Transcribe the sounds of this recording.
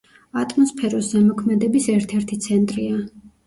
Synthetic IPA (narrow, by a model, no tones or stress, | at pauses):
at̪ʼmɔspʰɛɾɔsɛmɔkʰmɛd̪ɛbisɛɾt̪ʰɛɾt̪ʰit̪sʰɛnt̪ʼɾia